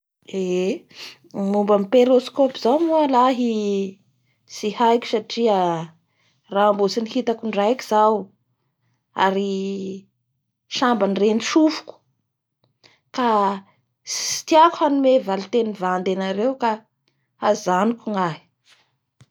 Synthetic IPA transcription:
e | mumbamipeɾoskopizawmualaɦi | sihajkʲu̥saʈ͡ʂiə | raːmbot͡sinihit̪akuɳɖ͡ʐajki̥zaw | a̰ɾi | ʃambanreniʃufu̥ku̥ | ka | si̥t̪iakuhanumevalit̪enivand̪enaɾewka | azanikuŋaɦi̥

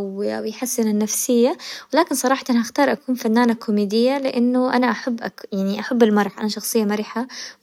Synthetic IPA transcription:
a̰wjħasːɪnanːafsɪjːawɪlaːkɪnsˤɑɾˤɑːħt̪ɪnhaxt̪ɑːɾˤʔakuːnfanːaːnakʰːʊmiːd̪ɪjːalɪʔɪnːʊʔanaʔaħabːʔajaʕniʔaħabːɪlmɑɾˤħʔanaʃɑxsˤɨjːamaɾiːħa

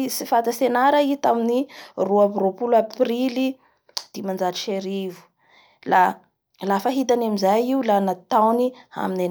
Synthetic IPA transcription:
sifat̪asenaɾəit̪aminiruapiropulaprili | d̪̥imand͡ʒaʈ͡ʂi̥ʃeɾivu̥ | la | lafəɦit̪anamizajiulanat̪awnia̰minen

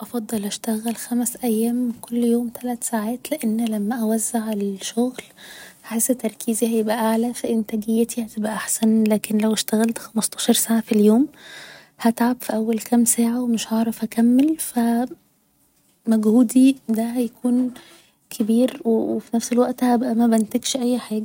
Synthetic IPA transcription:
ʔɑfɑd̪ˤːɑlʔæʃt̪æɣælxæmæsʔæjːæːmkolːjoːmt̪ʰælæt̪saʕaːt̪leʔenːlæmːæʔæwæzːaʕelʃoɣlhæħesːæt̪ːɑɾˤkʰiːzihæjebʔæʔaʕlæfæʔɪnt̪æɡejːæt̪ʰihæt̪ebʔæʔaħsænlæːkenlæweʃt̪æɣælt̪xæmɑst̪ˤɑːʃɑɾˤsaːʕafiljoːm | hæt̪ʕabfiʔæwːælkʰæmsæːʕawemɪʃhɑʕɾˤɑfhækæmːelfæ | mæɡhuːd̪id̪æɦæjkʰuːn | kʰebiːɾwewefinæfselwæʔt̪hæbʔæmæbænt̪eɡʃʔæjːħaːɡæ

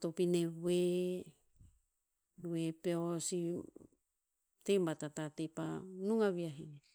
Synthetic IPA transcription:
topinewe | wepeosi | t̪embat̪atatepanuŋaβiaɦiŋe

